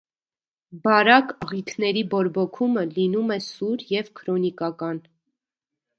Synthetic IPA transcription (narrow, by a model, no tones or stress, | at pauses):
bɑɾɑkəʁikʰnɛɾibɔɾbɔkʰuməlinumɛsuɾjɛvkʰɾɔnikɑkɑn